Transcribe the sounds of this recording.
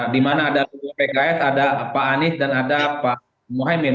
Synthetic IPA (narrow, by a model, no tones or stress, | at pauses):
dimanaːdalubɔpɛkaɛsadapaːnɪsdanadapa | moɦajmen